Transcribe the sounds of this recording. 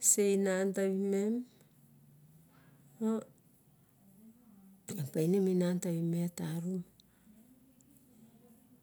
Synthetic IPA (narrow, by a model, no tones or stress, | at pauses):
sejnantaβimem | o | epajneminantaβimetaɾum